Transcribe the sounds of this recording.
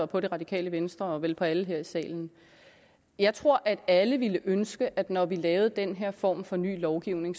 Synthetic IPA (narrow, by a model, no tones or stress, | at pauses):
ɒpʰɒ̽ɾe̝ʁɑ̈d̥ikʰɛ̰ːləʋensd̥ʁɐɒ̽ʋelpʰɒ̽æləɦeɐ̰isɛ̰ːln̩ | jɑ̈ɪt͡sʰʁo̝ɐ̰ʔæd̥æləʋiləʔønsɡ̥əʔæd̥nɒʋilɛːʊð̞̩ˠd̥enɦeɐ̰fɒ̰ːmfɒ̽ny̰ːlɒʊɡ̥iʊ̰ne̝ŋ